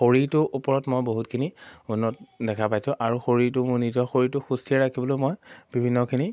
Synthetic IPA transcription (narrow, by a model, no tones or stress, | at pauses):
xoɹiɹtʊʔupɔɹɔtmojboɦutkʰiniunːɔt̚dɛkʰapajsʊ̃ʔaɹuxoɹiɹtʊmʊɹnizɔxoɹitʊxustʰiɛɹakʰibɔlomojbibʱinːɔkʰini